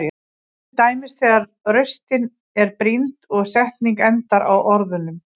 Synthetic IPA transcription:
t̪aːjmɪst̪ɛːɣaɾ | rœɥst̪ɪn | ɛɾpɾint̪ɔɣsɛht̪niŋkɛnt̪aɾawʔɔɾðʏnʏm

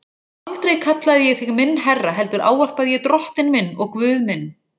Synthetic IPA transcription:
alt̪ɾejkʰat̪laðɪjɛɣθɪɣmɪnːɦɛrːaɦɛlt̪ʏɾʔa̰ːwar̥paðjɛɣt̪ɾɔht̪ɪnmɪnːɔɣkvʏːðmɪnː

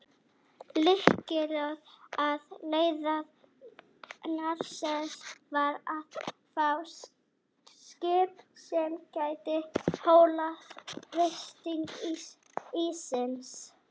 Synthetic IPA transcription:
lɪhcɪɾaðaðleːjðað | naɾsɛnsvaɾað | faw | scɪːpsɛmcaːjt̪ɪhoːwlaðrest̪iŋk | isɪns

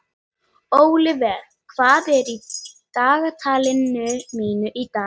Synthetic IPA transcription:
owlɪvɛɾ | kʰvaːðɛɾit̪aːɣat̪ʰalɪnːʏmiːnʏʔit̪aː

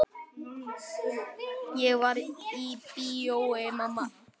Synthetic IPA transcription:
jewaɾipiowemãmã

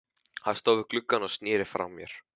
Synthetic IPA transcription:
haðst̪owvɪɾklʏkːanɔst̪nɪːɾɪfɾa̰wmjɛɾ̥

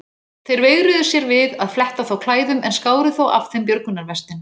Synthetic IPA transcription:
θejɾveːɣɾɪðʏ̥sjɛɾvɪðaðflɛht̪aθawkʰlaːjðʏmɛnskaːwɾɪθowa̰fθɛmp̬jœɾkʏnːaɾvɛst̪ɪn

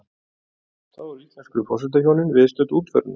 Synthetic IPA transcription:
θaðvaɾit̪anskɾʏfɔsɪt̪̬açjownɪnvɪðst̪œːt̪uːt̪fœ̰ɾn

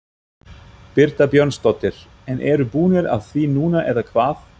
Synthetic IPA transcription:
pɪɾt̪apjœrnst̪ɔt̪ɪɾ̥ | ɛnʔɛːɾʏpuːnɪɾa̰ðθvinuːnaʔɛðakʰvaːθ

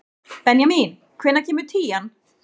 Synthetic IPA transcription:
pɛnjamiːn | kʰvɪnːacʰeːmʏɾ̥t̪ʰiːan

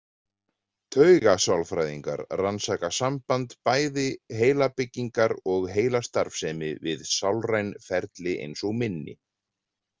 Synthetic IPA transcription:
t̪ʰœɥɣasawlfɾajðiŋka̰ɾransaːkasampant̪paːjðɪɦeːjlapɪcːiŋkaɾɔɣɦeːjlast̪aɾfsɛːmɪvɪðsawlrajnfɛɾt̪lɪʔḛjnsɔɣmɪnːɪ̰

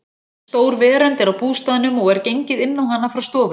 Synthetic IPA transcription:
st̪oːwɾvɛːɾɛnt̪ɛɾawpuːst̪aðɪnʏmɔɣɛɾcejɲcɪðɪnnawɦanːafɾawst̪ɔːvʏ

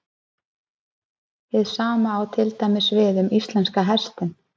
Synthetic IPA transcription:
ɪðsaːmaːwt̪ʰɪlt̪ajmɪsvɪðʏmist̪lɛnskaɦɛst̪ɪn

